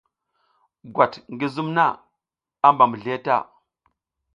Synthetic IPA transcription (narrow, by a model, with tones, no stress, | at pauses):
ɡwa˨tŋɡi˦zu˦mna˦˨ | a˦mba˨mu˨ɮe˦ta̰˦˨